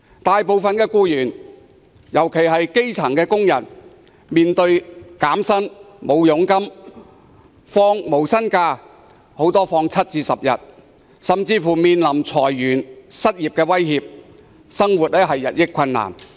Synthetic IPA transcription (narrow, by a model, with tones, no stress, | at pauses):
t̪aː˨jpo˨˧wfɐ˨nkɛː˧kuː˧jyː˨˩n | jɐ˨˩wkʰe˨˩jɦɐ˨jke˥jt͡sʰɐ˨˩ŋkɛː˧kʊ˥ŋjɐ˨˩n | miː˨nt̪ɵ˧ɥkaː˨˥msɐ˥n | mo˨˧wjʊ˨˥ŋkɐ˥m | fɔː˧ŋmo˨˩wsɐ˥nkaː˧ | ho˨˧˥wt̪ɔː˥fɔː˧ŋt͡sʰɐ˥t̚t͡siː˧sɐ˨p̚jɐ˨t̚ | sɐ˨mt͡siː˧fuː˨˩miː˨˧nlɐ˨˩mt͡sʰɔː˨˩jːyː˨˩nsɐ˥t̚jiː˨p̚kɛː˧wɐ˥jhiː˨˧p̚ | sɐ˥ŋwuː˨t̚ɛː˥ɦɐ˨jːɐ˨t̚jɪ˥kʰːɐ˧nːa̰ː˨˩n